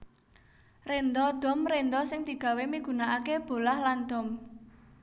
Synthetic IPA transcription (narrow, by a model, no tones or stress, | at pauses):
rend̪ɔd̪̥ɔ̤mrend̪ɔsɪŋt̪i̤ɡ̥ä̤wemiɡ̥ṳnaʔakeb̥o̤lahland̪̥ɔ̤m